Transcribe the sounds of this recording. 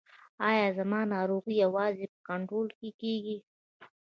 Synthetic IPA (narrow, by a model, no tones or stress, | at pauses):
ɑjɑzamɑnɑɾoɣijawɑzepə̥kaɳʈɾolkekeɡi